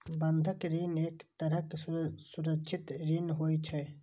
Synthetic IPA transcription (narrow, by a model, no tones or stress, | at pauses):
bɐnd̪ʱəkɾiːneːkt̪ɐɾəksʊɾəkt͡ʃʰɪt̪ɾiːnɦoːjt͡ʃʰɛ